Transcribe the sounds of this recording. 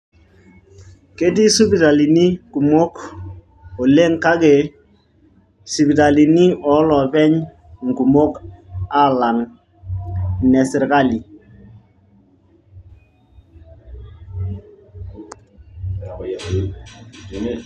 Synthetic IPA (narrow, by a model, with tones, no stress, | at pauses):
ke˦t̬i˦su˦pi˨ta˨li˨ni˦ku˨mo˦k | o˨le˦ŋka˦ɡe˨ | su˨pi˨ta˨li˨ni˦ɔ˨˦lɔ˨pɛ˦ɲ | ŋ˨ɡu˨mo˦ka˨la˨ŋ˨ | nɛ˨sɪ˨ɾka˦li˨